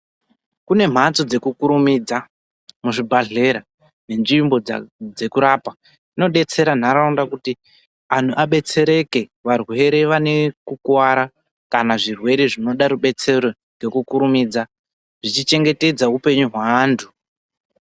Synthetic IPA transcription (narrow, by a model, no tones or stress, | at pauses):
kune̞m̤at͡so̞d͡ze̞kukuɾumiːd͡za | muʐibʱaɮe̞ɾa | ne̞nʐimbo̞d͡ze̞kuɾapa | ino̞ɗe̞t͡se̞ɾan̤aɾaundakuti | an̤uʔaɓe̞t͡se̞ɾe̞ke̞ʋarwe̞ɾe̞ʋane̞kukwaɾa | kanaʐirwe̞ɾe̞ʐino̞ɗaɾuɓe̞t͡se̞ɾo̞ | ɡe̞kukuɾumiːd͡za | ʐ̥it͡ʃit͡ʃe̞ŋɡe̞te̞d͡zaupe̞ɲuɦwaːntʰu